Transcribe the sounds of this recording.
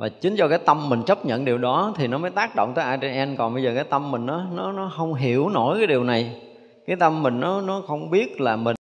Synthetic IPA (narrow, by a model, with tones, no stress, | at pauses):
vaː˨˩t͡ɕï˨˦ŋ̟t͡ɕɔ˧kaː˨˦jt̪ə˧mːï˨˩ŋ̟t͡ɕə˦˥p̚ɲə̰˧˨nɗi˨˩əwɗɔ˨˦t̪ʰi˨˩nɔ˨˦məː˨˦jt̪aː˦˥k̚ɗo̰˧˨wŋ͡mt̪əː˨˦jʔaː˧t͡ɕe˧nʔɛ˧nkɔ˨˩nɓə˧jzəː˨˩kaː˨˦jt̪ə˧mːï˨˩ŋ̟ʔɔː˨˦nɔ˨˦nɔ˨˦xə˧wŋ͡mɦi˧˩˨əwno̰˧˩jkaː˨˦jɗi˨˩əwna˨˩j | kaː˨˦jt̪ə˧mːï˨˩ŋ̟nɔ˨˦nɔ˨˦xə˧wŋ͡mɓi˦˥ət̚laː˨˩mï˨˩ŋ